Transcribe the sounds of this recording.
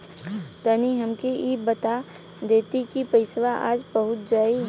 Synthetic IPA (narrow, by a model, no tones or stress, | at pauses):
t̪əniɦɐmkiibət̪a | d̪eːt̪ikipɐɪsʋaʔa̰ːd͡ʒbɐɦʊt̪̚d͡ʒaːi